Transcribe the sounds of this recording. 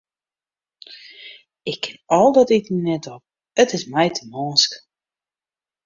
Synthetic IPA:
ɪkʰːɪnɔlˠdɔtitninɛtɔp̚ | ətɪsmɛjtʰəmɔːsk

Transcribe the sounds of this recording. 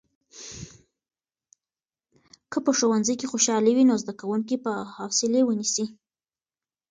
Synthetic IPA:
kəpəʃowanzəjkexoʃɑlewinozd̪akawuŋk̬ipəhɑsɪlewənisi

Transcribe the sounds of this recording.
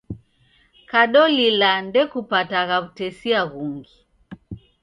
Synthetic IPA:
kaɗɔlilandɛkupataɣaβutɛsiaɣuŋɡi

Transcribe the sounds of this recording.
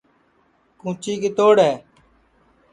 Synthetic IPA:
kũːt͡ʃiːkeːt̪oːɽɦɛː

